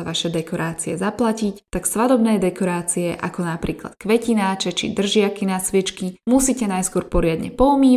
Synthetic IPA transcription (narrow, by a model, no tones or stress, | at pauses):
aʋaʃɛd̪ɛkɔɾaːt͡siɛ̰zaplacict̪aksʋad̪ɔbnɛːd̪ɛkɔɾaːt͡siɛʔa̰kɔnapɾiːkla̰t̪̚kʋɛcinaːt͡ʃɛt͡ʃḭd̪r̩ʒɪakinasʋɛt͡ʃkimusiːcɛnajskʊɔɾpɔɾɪad̪ɲɛ̰pɔumiː